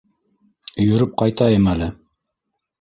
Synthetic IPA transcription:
ɵ̆jɵ̆ɾɵp̚qɑjt̪ɑjɤmælɘ

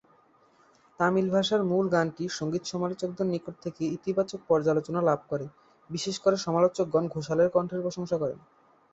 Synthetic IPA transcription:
t̪amilbʱaʃaɾmulɡanʈiʃoŋɡit̪ʃɔmalot͡ɕok̚d̪onːikoʈ̚t̪ʰekeit̪ibat͡ɕok̚pɔɾd͡ʑalot͡ɕonalab̚ʱkɔɾe | biʃeʃkoɾeʃɔmalot͡ɕok̚ɡɔnɡʱoʃaleɾkɔɳʈʰeɾpɾoʃoŋʃakɔɾḛn

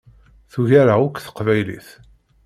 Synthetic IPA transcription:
θuʝaɾaʊkʷːθə̥qvæjlḭθ

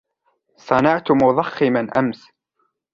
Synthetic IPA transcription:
sˤɑnɑʕt̪ʊmʊðˤɑxːɪmanʔa̰ms

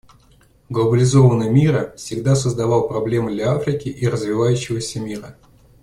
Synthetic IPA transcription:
ɡlˠəbəlʲɪzo̞vənəjmʲiɾəfsʲɪɡd̪asəzd̪ɐvɑlˠpɾɐblʲe̞mɨd̪lʲɐafɾʲɪkʲɪʔiɾəzvʲɪvajʉɕːɪvəsʲəmʲiɾə

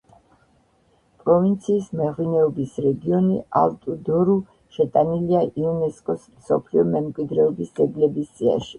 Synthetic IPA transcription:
pʼɾɔvint̪sʰiːsmɛʁwinɛɔbisɾɛɡiɔnia̰lt̪ʼud̪ɔɾu | ʃɛt̪ʼaniliaʔiunɛskʼɔsmsɔpʰliɔmɛmkʼwid̪ɾɛɔbisd̪zɛɡlɛbisd̪zʼia̰ʃi̥

